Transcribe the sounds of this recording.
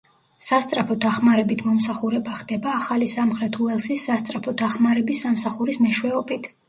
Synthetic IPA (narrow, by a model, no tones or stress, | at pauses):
sast̪sʼɾapʰɔd̪aχmaɾɛbit̪ʰmɔmsaχuɾɛbaχd̪ɛbaːχalisamχɾɛt̪ʰuɛlˠsisːast̪sʼɾapʰɔd̪aχmaɾɛbisːamsaχuɾismɛʃwɛɔbit̪ʰ